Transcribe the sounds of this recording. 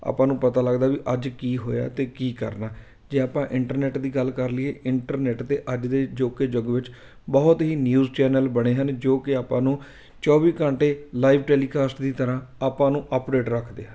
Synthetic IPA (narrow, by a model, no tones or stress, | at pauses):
a̰ːpãːnũːpət̪aːləɡd̪aːʋiːʔəd͡ʒkiːɦo̰ːja̰ːt̪eːkiːkəɾnaː | d͡ʒeːaːpãːʔɪɳʈəɾnɛːʈd̪iːɡəlkəɾlɪeːʔɪɳʈəɾnɛːʈt̪eːʔəd͡ʒd̪eːd͡ʒoːkeːd͡ʒəɡʋɪt͡ʃ | bəːʊt̪ɦiːnjuːzt͡ʃɛːnəlbəɽ̃eːɦənd͡ʒoːkɪaːpãːnũː | t͡ʃɔːʋiːkəɳʈeːlaːiːʋʈeːliːkaːsʈd̪iːt̪əɾãːaːpãːnũːʔəpɖeːʈɾəkʰd̪ḛːɦən